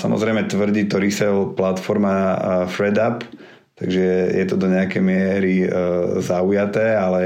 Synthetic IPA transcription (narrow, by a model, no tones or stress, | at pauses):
samɔ̰zɾɛjmɛt̪ʋr̩ɟiːt̪ɔɾisɛlplat̪fɔɾmafɾɛd̪ap | t̪a̰ɡʒɛɛjɛt̪ɔd̪ɔɲɛakɛjmɪɛɾizaujat̪ɛːalɛ